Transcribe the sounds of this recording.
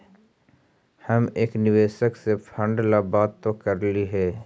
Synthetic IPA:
hɐmeːknɪʋeːʃəksepʰə̃ɳɖlabaːt̪ːokɐɾliɦɛː

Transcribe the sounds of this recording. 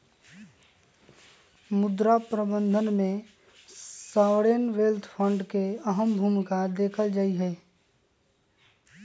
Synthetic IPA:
mʊd̪ɾapɾəbə̃nd̪ʱənmẽ | sawɽenʋeːlt̪ʰpʰə̃ɳɖkeəɦəmbʱuːmkad̪eːkʰəld͡ʒaːiɦɛː

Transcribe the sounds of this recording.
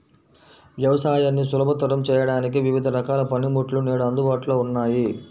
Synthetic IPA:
ʋjɐʋɐsaːjaːnːisulɐbʱɐt̪ɐɾɐmt͡ʃɛːjɐɽaːnik̬iʋiʋid̪ʱɐɾɐkaːlɐpɐnimuʈluneːɽuɐnd̪ubaːʈuloːunːaːji

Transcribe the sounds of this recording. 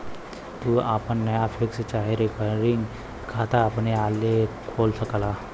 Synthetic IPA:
t̪uapənːəjafʰɪkst͡ʃaːɦeɾekəɾɾɪŋɡ | kʰat̪aːpnealekʰolsəkla

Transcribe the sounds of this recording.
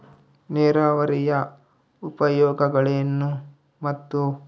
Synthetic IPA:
nɛːɾaːʋɐɾijɐ | upɐjɔːɡɐɡɐɭenːu | mɐt̪ːu

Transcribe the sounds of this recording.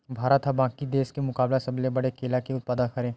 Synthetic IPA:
bʱaːɾət̪ɦabãːkid̪eːskemʊkaːblasɐblebɐɽekeːlakiʊt̪̚paːd̪akɐɾẽː

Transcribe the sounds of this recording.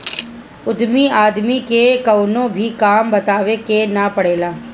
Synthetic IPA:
ʊd̪miaːd̪mikekɐʊnõbʱikaːmbɐt̪aːʋekenapɐɽeːlaː

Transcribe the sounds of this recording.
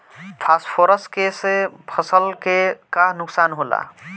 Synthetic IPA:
pʰasʈpʰoɾəskesepʰəsəlkekaɦnʊksanɦola̰

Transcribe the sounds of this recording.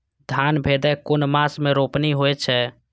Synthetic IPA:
d̪ʱjanbʱed̪ɛkonmasmẽɾopniɦoɛt͡ʃʰɛ

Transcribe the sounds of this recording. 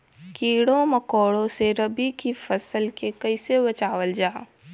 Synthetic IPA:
kiːɽõmɐkoːɽõseɾɐbikifɐsəlkekɐɪsebɐt͡ʃaːwəld͡ʒaː

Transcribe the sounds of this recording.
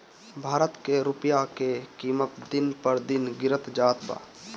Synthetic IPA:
bʱaːɾət̪keɾʊpjakekiːmət̪d̪ɪnpəɾd̪ɪnɡɪɾət̪d͡ʒaːt̪pa̰ː

